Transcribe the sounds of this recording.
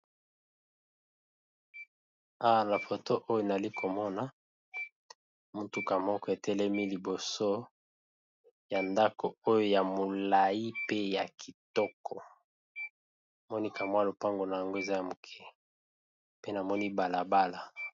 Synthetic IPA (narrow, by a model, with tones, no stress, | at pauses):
a˦wa˨na˨fo˨to˦ʔo˦jo˦n˨li˦kʰo˨mɔ˦na˨ | mu˨tu˦ka˨mɔ˦kɔ˦e˨tɛ˦lɛ˦mi˦li˨bo˨so˦ | ja˨nda˦ko˨o˦jo˦ja˨mo˨la˨ji˦pe˦ja˨kʰi˨tɔ˦kʰɔ˨ | a˨mɔ˦ni˦ka˨mwa˦lo˨pa˦ŋɡo˨na˨ja˨ŋɡo˦e˨za˦ja˨mo˨kʰɛ˦ | pe˦na˨mɔ˦ni˦ba˨la˨ba˦la˨